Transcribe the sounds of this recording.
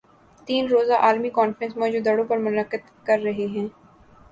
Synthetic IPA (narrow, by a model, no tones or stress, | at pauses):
t̪iːnɾoːzaʔaːlmikɔːnfɾə̃nsmɔːd͡ʒud̪ɐɽõpɐɾmʊnəqːəd̪ | kɐɾːɐɦeɦɛ̃ː